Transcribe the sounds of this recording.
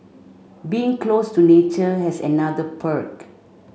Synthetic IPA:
biɪ̃ŋklostunet͡ʃəhɛsɛ̰nadəpʰək

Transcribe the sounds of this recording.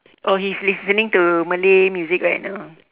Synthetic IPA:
ʔɔhislissənĩŋtuməlemjuzikɹajt̚naʊ

